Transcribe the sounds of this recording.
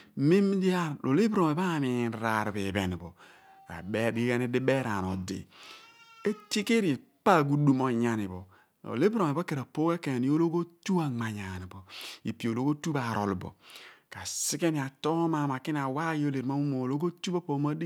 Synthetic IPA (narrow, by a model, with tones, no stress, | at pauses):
mi˦m˦di˦a˦lʔo̰˨li˦bɾo˨e˨ba˦˨mi˨ŋ˨n˨ɾa˨ɾbi˨bɛ˨n˨bo̰˨ | a̰˨bɛ˦di˦ɡa˦ni˦di˦be˦ɾa̰˨n˨o̰˨dḭ˨ | e˦ti˦ke˦ɾi˨ | pa˦˨ɡu˦du˦mo˨ɲa˨ni˨bo̰˨ | o̰˨le˦bɾo˨e˨ba˦ke˨ɾa˨po˦ke˦ke˨n˨˦o˦lo˦ɡo˦tu˦a˨ŋ͡ma˨ɲa˨ni˨bo˨ḭ˨pi˨o˨lo˦ɡo˦tu˦ba˨ɾo̰˨lbo̰˨ka˨si˦ke˦ni˨a˨to˦ma˨ma˨ki˦n˦a˨wa˦i˦o˦le˨ɾma˦u˦mo˨o˨lo˦ɡo˦tu˦ba˦po˦ma˦di˦